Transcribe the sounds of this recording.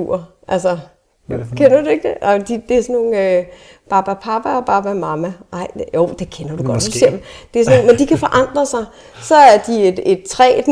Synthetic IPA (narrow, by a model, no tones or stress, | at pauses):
ṵɐ | ʔælsɐ | jokʰenɐd̥ue̝ɡ̥̚d̥eaɪd̥id̥e̝æɐsɒnːo̝ːn̩ø | pʰɑ̈b̥æpʰɑ̈b̥æɒ̽b̥ʰɑ̈b̥æmɑ̈mæʔɑ̈ɪ̰joʊd̥e̝kʰenɐd̥uɡ̥ɒ̽d̥use̝ɐ̰md̥e̝æɐsoːnmend̥ikʰæfɒ̽ʔɑ̈n̰d̥ʁɐsɑ̈ɪ | sɒ̽æɐd̥ie̝d̥e̝d̥̚t͡sʰʁɛ̰ːd̥